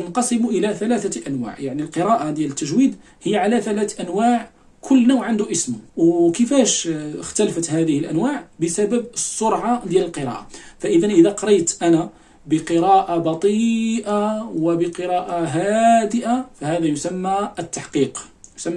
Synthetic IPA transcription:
ənqɑsˤəmuʔəlæθælæθaʔænwa̰ʕjaʕnilqəɾˤɑʔad̪jælət̪ːəʒwid̪ | həjːaʕalæθælæθʔænwaʕ | kʰʊlːnowʕənd̪uʔəsmʊwkəfæʃxt̪ælfət̪hæd̪əhəlʔænwaʕbəsæbəbəsˤːoɾˤʕad̪jæləlqəɾˤɑ̰ʔafæʔəd̪ænʔəd̪æqɑɾˤɑjt̪ʔæna | bəqəɾɑʔabɑt̪ˤiːʔawəbəqəɾˤɑʔaɦæd̪əʔafæhæd̪æjʊsæmːæət̪ːaħqiːq | jsæmː

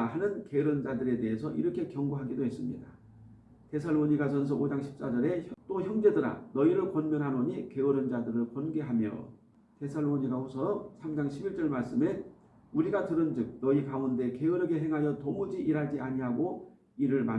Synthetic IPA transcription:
hanɯnke̞ɯɾɯnd͡ʑadɯɾe̞de̞ɦesʰʌʔiɾʌkʰe̞kjʌŋɡoɦaɡidoɦe̞s͈ɯmɲḭda | te̞sʰaɭːoɲiɡasʰʌnsʰʌʔod͡ʑaŋɕʰi̥p̚s͈ad͡ʑʌɾe̞çʌt͈oçjʌŋd͡ʑe̞dɯɾa̰nʌiɾɯɭkonmjʌnɦanoɲike̞ɯɾɯnd͡ʑadɯɾɯɭkonɡe̞ɦamjʌ̰ | te̞sʰaɭːoɲiɡaɸosʰʌsʰamd͡ʑaŋɕʰibiɭt͡ɕ͈ʌɭmaɭs͈ɯme̞ | uɾiɡatɯɾɯnd͡ʑɯk̚nʌikaunde̞ke̞ɯɾʌɡe̞ɦe̞ŋɦajʌtomud͡ʑiʔiɾɦaɭd͡ʑiaɲiɦaɡo | iɾɯɭma

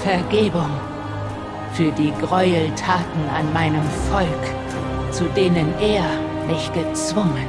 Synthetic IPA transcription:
fɛɐɡeːbʊŋ | fyːɐdiːɡʁɔʏltʰaːtn̩anmaɪnəmfɔlk | t͡sudeːnəneːɐ | mɪçɡ̥ət͡sv̥ʊŋən

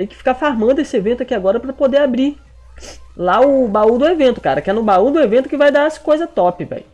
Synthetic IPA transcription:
ẽjkɪ̥fi̥kafaɾmɐ̃nd̪ʊesɪevẽnt̪ʊakiaɡɔɾɐpɾɐpod̪eabɾi | laʊbaud̪ʊevẽnt̪ʊ̥kaɾɐkɪɛnʊbaud̪ʊevẽnt̪ʊkɪvajd̪aɐskojzɐt̪ɔpɪvɛ̰j

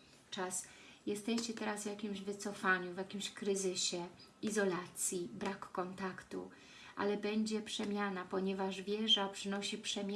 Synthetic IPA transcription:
t͡ʂasjɛst̪ɛɕt͡ɕɛt̪ɛɾazvʲjakʲimʑvɘt̪sɔfaɲuvʲjakʲimɕkɾɘzɘɕɛizɔlat̪sʲjibɾakːɔnt̪akt̪ṵ | ʔa̰lɛbɛɲd͡ʑɛpʂɛmʲjanapɔɲɛvaʐvʲjɛʐapʂɘnɔɕipʂɛmʲj

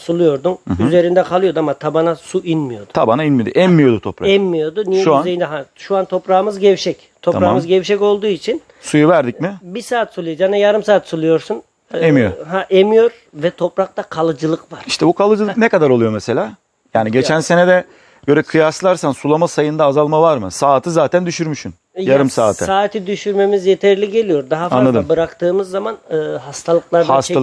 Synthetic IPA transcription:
sulˠujo̞ɾd̪unɦyzeɾind̪ɛkʰalˠɯjo̞d̪amːat̪ʰabanasuʔinmijo̞̰d̪ʊ̥t̪ʰabanainmid̪ḭʔɛmːijo̞d̪ut̪ʰopɾaɛmːijo̞d̪unijɛʃuanejind̪ɛɦaʃuant̪ʰo̞pɾaːɯmɯzɟɛvʃɛc | t̪ʰoɾamɯzɟɛvʃɛco̞lˠd̪uːit͡ʃʰin | sujuvæɾd̪icmɪbiɾsaːt̪sulˠijad͡ʒanajaɾɯmsaːt̪sulˠujo̞ɾsun | emijoɦaʔemijo̞ɾ | vɛt̪ʰo̞pɾak̚t̪akʰalˠɯd͡ʒɯlˠɯkvaɾiʃt̪ʰɛbukʰalˠɯd͡ʒɯlˠɯknɛkad̪aɾo̞lˠujo̞mese̞lʲaː | jaːniɟe̞t͡ʃʰænse̞nɛd̪ɛ | ɟ̥ø̞ɾɛkʰɯjaslˠaɾsansulˠamasajɯnd̪aːzalˠmavaɾmɯ̰saːt̪ʰɯzaːt̪ʰænd̪yʃyɾmyʃyn | jaɾɯmsaːt̪ʰɯ̰saːt̪ʰid̪yʃyɾme̞mizjet̪ʰɛɾlʲiɟe̞lʲijo̞ɾd̪aɦafanˠad̪mabɯɾakt̪ɯːmɯzːamanɯːɦast̪ʰalˠɯklˠaɾd̪ast̪a

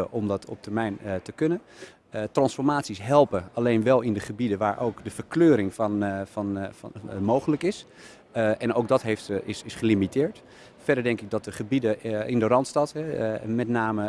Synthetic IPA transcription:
əʔɔmdɑtʰɔ̰p̚təɹmɛjntəkɵnən | trɑnsfɔɹmaːtsisɦɛlˠpəalejnʋɛlˠɪndəχəbidəʋaːɹʔo̰wkdəv̥əɹkløːɾɪŋfnfɑn | mowχələkɪs | ɛnowk̚dɑtɦejftɪsɪsχəlimitɪːɹt | fɛɹdəɹdɛŋkɪɡ̚dɑt̚dəχəbidəɪ̰ndərɑntstɑtɦɛmɛtnaːmə

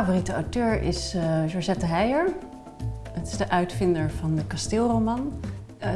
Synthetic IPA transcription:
avoritəawtøːɹɪ̰sʒɔɹʒɛtəɦɛjəɹ | ətɪ̥zdəʔœɥtfɪndəɹv̥ɑndəkɑstɪːlˠrowmɑn

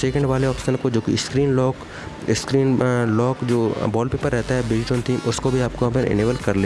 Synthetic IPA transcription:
seːkɛ̃ɳɖʋaːleɔːfsɪ̥sənaːpkod͡ʒoːkiɪskɾiːnlɔːk | ɪskɾiːnlɔːkd͡ʒoːbɔːlpeːpəɾːɛɦt̪aɦɛbɪd͡ʒʈõnt̪ʰiːmʊskobʱiaːp̚koɐpəɾʔɪ̰neːʋəlkɐɾleː

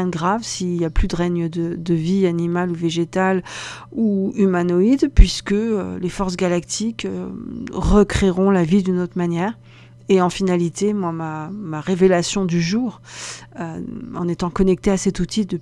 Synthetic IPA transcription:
ɛ̃nɡʁavsiljaplyd̪əʁɛɲəd̪əd̪əvianimaluveʒet̪al | uymanɔid̪pɥiskəø̰lefɔʁs̬ɡʲalakt̪ʰikø | ʁəkχeʁɔ̃lavid̪ynot̪χmanjɛːʁ | eɑ̃finalit̪emwamamaʁevelasjɔ̃d̪yʒuːʁøɑ̰̃net̪ɑ̃kɔnɛk̚t̪easɛt̪ut̪id̪ə

